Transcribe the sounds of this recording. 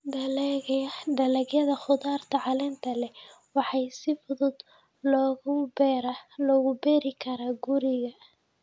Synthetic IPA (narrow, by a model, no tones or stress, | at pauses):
d̪ɐlɛɣjɐɖɐlɛɣjɐðɐχʊðaːrt̪ʰɐʕɑlɛnt̪ʰɐlɛ | wɑħɑjsɪfʊðʊd̪ | lɔːɣʊbɛːɾalɔːɣʊbɛɾɪkʰɐɾaːɡʊɾɪɣɐ